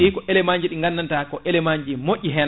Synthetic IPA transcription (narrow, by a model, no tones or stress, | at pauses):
ikɔʔɛlɛmaɲd͡ʒiɗiŋɡanːantakɔʔɛlɛmaɲd͡ʒimoʔʲːiɦɛn